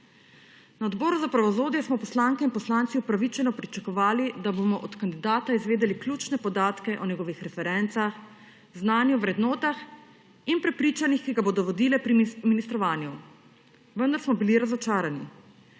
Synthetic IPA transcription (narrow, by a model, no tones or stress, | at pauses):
naɔd̪bɔːɾuzapɾaʋɔzoːd̪jɛsmɔpɔslaːŋkɛinpɔslaːnsiupɾaʋit͡ʃɛnɔpɾit͡ʃakɔʋaːlid̪aboːmɔʔɔt̪kand̪id̪aːt̪aizʋeːd̪ɛliklʲuːt͡ʃnɛpɔd̪aːt̪kɛʔɔnɛɡɔːʋixɾɛfɛɾɛnt̪sax | znaːnjuʋɾɛd̪nɔːt̪ax | inpɾɛpɾiːt͡ʃanixkiɡaboːd̪ɔʋɔd̪iːlɛpɾiminist̪ɾɔʋaːnju | ʋənd̪aɾsmɔbiliɾazɔt͡ʃaːɾani